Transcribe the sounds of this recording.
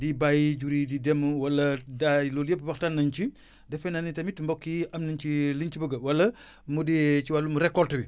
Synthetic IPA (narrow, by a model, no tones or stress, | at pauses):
dibajiɟuɾididɛmuwɐlːɐdalɔljepːwɐxtanːɐnt͡ʃi | dɛfɛnanitɐmitːmbɔkːiɐmnɐnt͡ʃilint͡ʃibəɡɐwɐlːɐ | mudit͡ʃiwalːumuɾɛkːɔltɐbi